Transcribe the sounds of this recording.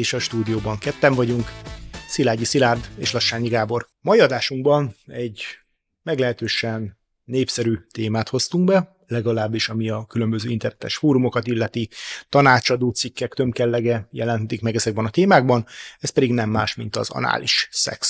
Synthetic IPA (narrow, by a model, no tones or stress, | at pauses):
eːʃɒʃt̪uːd̪ijoːbɒŋkɛt̪ːɛɱvɒɟuŋksilaːɟisilaːrd̪ḛːʃlɒʃːaːɲiɡaːbo̞r | mɒiɒd̪aːʃuŋɡbɒnɛɟ | mɛɡlɛɦɛt̪øːʃɛnː | eːpsɛɾyːt̪eːmaːt̪ho̞st̪uŋɡbɛ | lɛɡɒlaːbːiʃɒmiɒkylø̞mbøzøːint̪ɛrnɛt̪ɛ̰ʃfoːɾumo̞kɒt̪ilːɛt̪it̪ɒnaːt͡ʃɒd̪oːt̪sikːɛkt̪ø̞mkɛlːɛɡɛjɛlɛnɦt̪ikmɛɡɛzɛɡ̚bɛnɒt̪eːmaːɡ̚bɒnɛspɛd̪iɡnɛmːaːʃmint̪ɒ̰zɒ̰na̰ːliʃsɛ̰ks